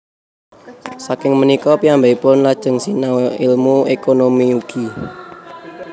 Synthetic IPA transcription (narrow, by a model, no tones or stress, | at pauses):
sakɪŋmənikɔpiambaipʊnlad̥ʒ̥ə̤ŋsinailmuekonomiuɡ̥i